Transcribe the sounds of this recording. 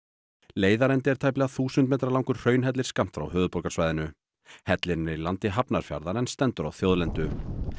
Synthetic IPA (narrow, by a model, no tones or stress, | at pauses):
leːjðaɾɛnt̪ɪɛɾt̪ʰajplɛɣaθuːsʏnt̪meːt̪ɾalawŋkʏɾ̥r̥œːɥnɦɛt̪lɪɾ̥skam̥t̪fɾa̰wɦœːðʏpɔɾkasvaːjðɪnʏ | hɛt̪lɪɾnɛɾilant̪ɪɦapnaɾ̥fja̰ɾðaɾɛnst̪ɛnt̪ʏɾawθjowðlɛnt̪ʏ